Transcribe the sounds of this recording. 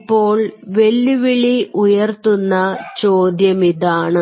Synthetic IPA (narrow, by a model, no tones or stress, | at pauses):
pːo̞ːɭʋe̞lːuʋiɭiʔujɐrt̪unːɐt͡ɕoːd̪jɐmiðaːɳɨ